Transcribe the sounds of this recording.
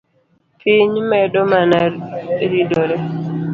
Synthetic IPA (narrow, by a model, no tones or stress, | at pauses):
pʰiɲmɛdɔmanaɾidoɾɛ